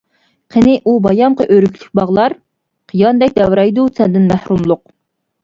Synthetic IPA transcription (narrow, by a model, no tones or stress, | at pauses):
qʰenɪʔubɑjɑmqəʔøɾykʲʰlyk̚ʲbɑʁlˠɑɾ | qʰijɑnd̪ɛk̚ʲd̪ɛwɾɑjd̪usʰɛnd̪ɪnmæhɾumlˠʊq̚